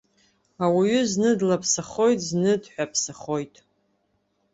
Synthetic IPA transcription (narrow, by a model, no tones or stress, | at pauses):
awiɥʏznɨdlapʰsaχo̞jtʼznɨdħʷᶣapʰsaχo̞jtʼ